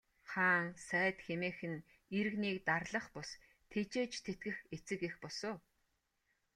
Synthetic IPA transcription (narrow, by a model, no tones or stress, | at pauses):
χaːŋsæːt̪xemeːxɘ̆n | iɾɘ̆ɣniːkt̪arɮə̆χpʊs | t̪ʰet͡ɕeːt͡ɕt̪ʰet̪̚ɡɘ̆xet͡sɘ̆kexpʊsoː